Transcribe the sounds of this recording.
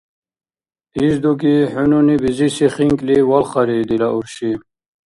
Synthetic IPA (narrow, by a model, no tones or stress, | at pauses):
izd̪uk̬iħununibizisiχiŋkliwalχɑɾid̪ilauɾɕi